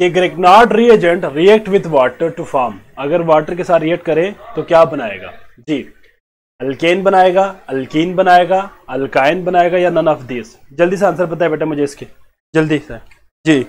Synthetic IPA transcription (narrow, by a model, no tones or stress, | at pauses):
keɡɾeːknaːɖɾiːed͡ʒẽɳɖɾieːk̚ʈʋɪd̪ʋaːʈəɾʈufaːɾm | ɐɡəɾʋaːʈəɾk̬esaːt̪ɾiek̚ʈ̚kɐɾẽt̪okjaːbɐnaːḛːɡa̰ːd͡ʒiː | ɐlkeːnbɐnaːeːɡaːɐlkiːnbɐnaːeːɡaːɐlkaːɪnbɐnaːeːɡajanɐnafd̪iːəsd͡ʒɐld̪iːsɐ̃nsəɾbɐt̪aɦɛbeːʈʰamʊd͡ʒʱeɪske | d͡ʒɐld̪iːs | d͡ʒiː